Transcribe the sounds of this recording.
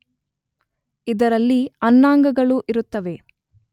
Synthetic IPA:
id̪ɐɾɐlːiɐnːaːŋɡɐɡɐɭuʔiɾut̪ːɐʋe̞

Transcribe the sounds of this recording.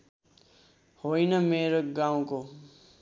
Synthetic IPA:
hoːinəmeːɾəɡaːõkoː

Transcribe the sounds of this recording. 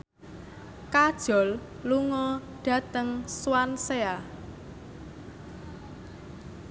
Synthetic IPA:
kad̥ʒ̥ɔ̤l | luŋɔɖ̥ä̤t̪əŋswansea

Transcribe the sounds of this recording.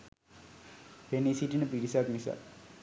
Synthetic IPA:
penisiʈinəpiɾisaknisa̰ː

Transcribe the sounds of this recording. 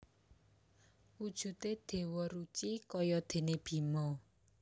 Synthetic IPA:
ud̥ʒ̥ṳt̪ed̪̥e̤wɔɾut͡ʃikɔjɔd̪̥e̤neb̥i̤mɔ

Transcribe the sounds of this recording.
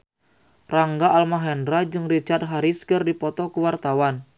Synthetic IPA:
raŋɡaʔalmaɦɛndɾad͡ʒɨŋrit͡ʃard̪̚ɦaɾiskərdipɔt̪ɔkuwart̪awan

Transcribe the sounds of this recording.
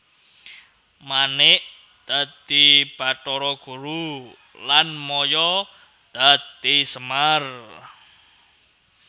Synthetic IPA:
manɪʔ | d̪̥a̤d̪ib̥a̤tɔɾɔɡ̥ṳɾu | lanmɔjɔ | d̪̥a̤t̪isəmar

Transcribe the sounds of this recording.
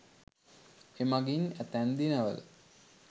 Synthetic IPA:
emaɡinæt̪ænd̪inəʋə̰l̰

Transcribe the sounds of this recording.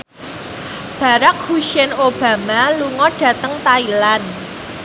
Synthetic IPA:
b̥a̤ɾak̚huʃɛnob̥ä̤maluŋɔɖ̥ä̤t̪əŋt̪ailan

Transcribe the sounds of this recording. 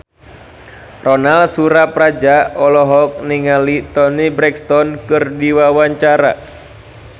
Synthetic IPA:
rɔnalsuɾapɾad͡ʒaɔlɔɦɔk̚niŋalit̪ɔnibɾɛkst̪ɔnkɨrdiwawaɲt͡ʃaɾa̰

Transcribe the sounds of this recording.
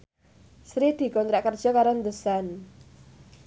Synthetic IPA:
sɾid̪̥i̤kɔnt̪ɾɛʔkərd̥ʒ̥ɔ̤kaɾɔnd̪əsan

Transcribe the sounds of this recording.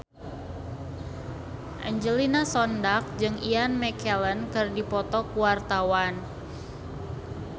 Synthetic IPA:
ʔɛ̰ɲd͡ʒəlinasɔndak̚d͡ʒɨŋianmɛkʰɛlənkɨrdipɔt̪ɔkuwart̪awan

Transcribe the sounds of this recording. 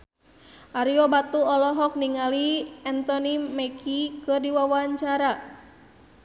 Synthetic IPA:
ʔaɾiɔbat̪uɔlɔɦɔk̚niŋaliɛnt̪ɔnimɛkikɨrdiwawaɲt͡ʃaɾa

